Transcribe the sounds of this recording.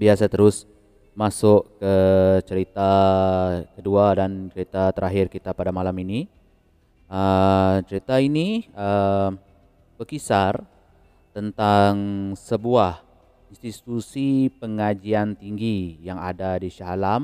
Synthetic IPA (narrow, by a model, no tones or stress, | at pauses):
biasat̪əɾʊs | masʊʔkət͡ʃəɾit̪a | kəduadant͡ʃəɾit̪at̪əɾʔaɦɪrkit̪apadamalamini | ət͡ʃəɾit̪ainiə | b̥əkisar | t̪ənt̪aŋsəbuah | inst̪it̪usipəŋad͡ʒiant̪iŋɡijaŋa̰dadiʃaɦalam